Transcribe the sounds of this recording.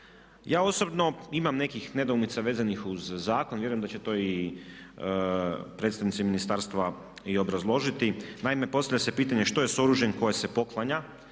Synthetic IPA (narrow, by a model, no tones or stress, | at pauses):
jaːo̞so̞bno̞imamne̞kixne̞d̪oumit̪saʋe̞ːzanixuzːaːkonʋjeɾujend̪at͡ɕe̞t̪o̞i | pɾet̪st̪aʋnit̪iminist̪aɾst̪ʋa | io̞bɾazlˠo̞ʒit̪inaime̞post̪avʎʲase̞piːt̪aɲeʃt̪o̞je̞so̞ɾuʒjenko̞jese̞po̞klˠaɲa